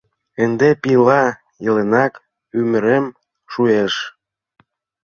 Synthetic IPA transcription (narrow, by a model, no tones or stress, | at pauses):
end̪epilɑ | jelenɑk | ymə̆ɾem | ʃueʃ